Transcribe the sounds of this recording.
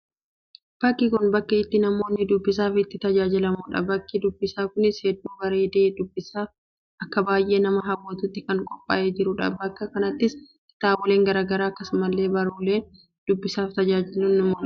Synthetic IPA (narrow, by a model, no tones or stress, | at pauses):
b̥ɐkːɪkʊnbɐkːɐɪt̪ːɪnɐmo̞ːnːɪd̪ʊbːɪs̬aːfɪt̪ːɪt̪ɐd͡ʒaːd͡ʒɪlɐmuːᶑɐ̰bɐkːɪd̪ʊbːɪsaːkʊnɪshɛd̪ːuːbɐɾe̞ːd̪eːd̪ʊbːɪsaːf | ʔɐkːɐbaːjʔe̞ːnɐmɐɦɐwːot̪ʊt̪ːɪkɐŋkʼɔpʼːa̰ːʔeːd͡ʒɪɾʊᶑɐ̰bɐkːɐkɐnɐt̪ːɪs | ɪ̥t̪aːbɔle̞ːŋɡɐɾaːɡɐɾaːkːɐsmɐlːe̞ːbɐɾuːle̞ː | d̪̥ʊbːɪsaːft̪ɐd͡ʒaːd͡ʒɪlːʊnɐmoːᶑɐ